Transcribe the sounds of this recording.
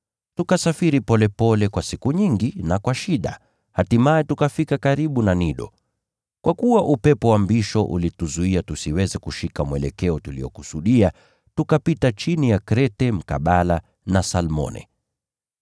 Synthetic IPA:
tukasafiɾipɔlɛpɔlɛkwasikuɲiŋɡinakwaʃiɗa̰ | hatimaɛtukafikakaɾiɓunaniɗɔ̰ | kwʔakuwaʔupɛpɔwambiʃɔʔṵlituzuiatusiwɛzɛkuʃikamwɛlɛkɛɔtulḭjɔ̰kusuɗia | tukapitat͡ʃinijakɾɛtɛm̩ka̰ɓala | nasalmɔ̰nɛ̰

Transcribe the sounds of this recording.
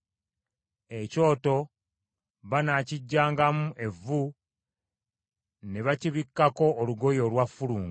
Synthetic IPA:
e̞co̞ːto̞ | βanaciɟːaːŋɡamuʔe̞vːu | ne̞βaciβikːako̞ːluɡo̞jo̞lwafːuluːŋɡu

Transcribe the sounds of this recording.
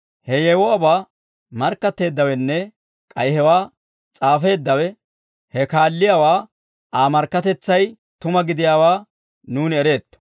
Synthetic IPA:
hɛjɛwɔɐbaː | mɐɾkːɐt̪ːe̞ːd̪ːɐwɛnːɛ | kʼɐjhɛwaː | t͡sʼaːfe̞ːd̪ːɐwɛ | hɛkaːlːɪjaːwaː | aːmɐɾkːɐt̪ɛt͡sːɐj | t̪ʊmɐɡɪd̪ɪjaːwaː | nuːnɛɾe̞ːt̪ːɔ̥

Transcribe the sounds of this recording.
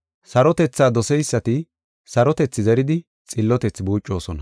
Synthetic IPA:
sɐɾɔt̪ɛt͡sːaːd̪ɔsɛjsːɐt̪ɪ | sɐɾɔt̪ɛt͡sːɪzɛɾɪd̪ɪ | t͡sʼɪlːɔt̪ɛt͡sːbuːt͡ʃʼːo̞ːsɔnɐ

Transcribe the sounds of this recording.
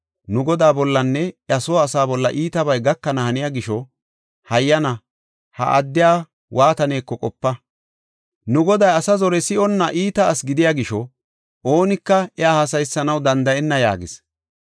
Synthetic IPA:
nʊɡɔd̪aːbɔlːɐnːɛɐsɔːsaːbɔlːɐʔiːt̪ɐbɐjɡɐkːɐnɐhɐnɪjaːɡɪʃɔ | hɐjːɐnɐ | hɐ̰ʔɐ̰d̪ːɪjaː | wʔaːt̪ɐne̞ːkːɔkʼɔpːɐ | nʊɡɔd̪ɐjɐsɐzɔɾɛsɪɔnːɐʔiːt̪ɐːsɡɪd̪ɪjaːɡɪʃɔ | ʔo̞ːnɪkːɐɛaːhasɐjsːɐnɐwd̪ɐnd̪ɐɛnːɐja̰ːɡɪs

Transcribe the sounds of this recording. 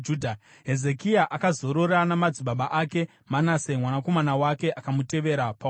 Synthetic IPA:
uːdʱa | ɦe̞zekiaʔakazo̞ɾo̞ɾanamad͡ziɓaɓaʔake̞ | manasemwanako̞manawake̞ʔakamute̞ʋe̞ɾapa

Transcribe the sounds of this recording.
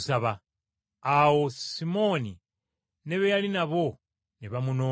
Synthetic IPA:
saβa | awosimoni | neβejalinaβo | niβamuno

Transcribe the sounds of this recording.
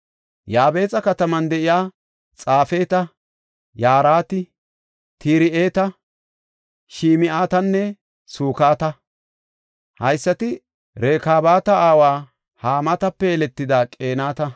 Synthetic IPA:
jaːbe̞ːt͡sʼɐkɐt̪ɐmɐnd̪ɛʔɪjaː | t͡sʼaːfeːt̪ɐ | jaːɾaːt̪ɪ | t̪ʰiːɾɪʔe̞ːt̪ɐ | ʃiːmɪʔaːt̪ɐnːɛ | suːkaːt̪ɐ | hɐjsːɐt̪ɪ | ɾe̞ːkaːbaːt̪ɐaːwaː | haːmɐt̪ɐpːɛɛlɛt̪ːɪd̪aːkʼe̞ːnaːt̪ɐ

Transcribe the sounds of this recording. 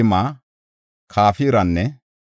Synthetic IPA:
ɪmaː | kʰaːfiːɾɐnːɛ

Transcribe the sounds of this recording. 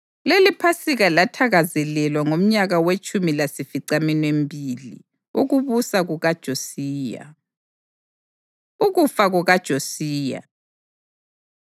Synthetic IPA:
lelipʰasiɣalatʰaɣazɛlɛlwaŋom̩ɲaɣawet͡ʃʼumilasifiǀaminembʱilḭ | uɣuβusaɣuɣad̥ʒ̥ʱosiːja̰ | uɣufaɣuɣad̥ʒ̥ʱosiːja̰

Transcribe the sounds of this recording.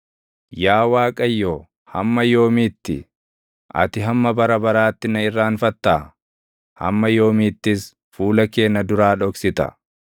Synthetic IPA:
jaːwaːkʼɐjːoː | hɐmːɐjo̞ːmiːt̪ːɪ̰ | ʔɐ̰t̪ɪɦɐmːɐbɐɾɐbɐɾaːt̪ːɪnɐɪrːaːnfɐt̪ːaː | hɐ̰mːɐjo̞ːmiːt̪ːɪs | fuːlɐke̞ːnːɐd̪ʊɾaːᶑɔksɪt̪ɐ̰

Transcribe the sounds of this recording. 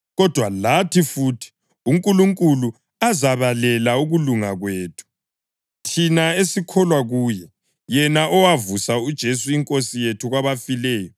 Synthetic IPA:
ɣɔd̥ʱwalatʰifutʰi̥ | uŋkʼuluŋkʼulu | azaβalɛlauɣuluŋaɣweːtʰu̥ | tʰinaesikʰɔlwaɣuːjɛ | jɛnaʔɔwavusaud̥ʒ̥ʱesuiŋkʼosijetʰuɣwaβafilɛːjɔ

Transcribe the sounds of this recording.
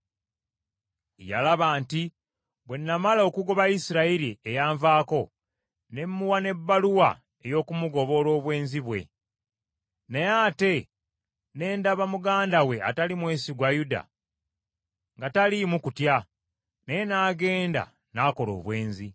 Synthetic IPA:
ja̰laβaːnti | βwe̞nːamalo̞kuɡo̞βaisiɾaiɾiejaːɱvaːko̞ | ne̞mːuwane̞bːaluwa̰ | e̞jo̞ːkumuɡo̞βo̞lo̞ːβwe̞ːnziβwe̞̰ | nejaːte̞ | ne̞ːndaβamuɡaːndawe̞a̰talimwe̞ːsiɡwajuda̰ | ŋɡatalimukutja | nejenaːɡe̞ːnda̰ | naːko̞lo̞̰ːβwe̞ːnzi

